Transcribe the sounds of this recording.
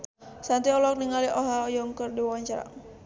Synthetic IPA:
sant̪iɔlɔk̚niŋaliʔɔɦaɔjɔŋkərdiwwaɲt͡ʃaɾa̰ŋ

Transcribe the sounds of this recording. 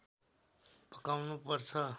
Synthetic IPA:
pəkawnupəɾt͡sʰʌ

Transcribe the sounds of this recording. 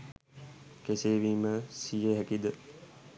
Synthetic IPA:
keseːʋiːməsijeɦækid̪ə

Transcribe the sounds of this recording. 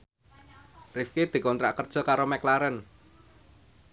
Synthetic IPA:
rifked̪̥i̤kɔnt̪ɾa̰ʔkərd̥ʒ̥ɔ̤kaɾomɛklaɾən

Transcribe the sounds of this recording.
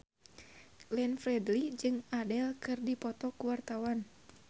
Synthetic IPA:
ɡlɛnfrɛdlid͡ʒɨŋadɛlkɨrdipɔt̪ɔkuwart̪awan

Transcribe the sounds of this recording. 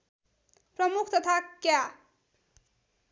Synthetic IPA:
pɾʌmukʰt̪ʌt̪ʰakja

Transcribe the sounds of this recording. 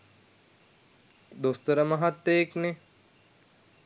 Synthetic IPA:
d̪ost̪ɐɾəmɐɦat̪ːejekne

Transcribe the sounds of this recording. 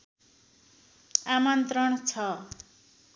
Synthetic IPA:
amʌnt̪rʌɳt͡sʰʌ

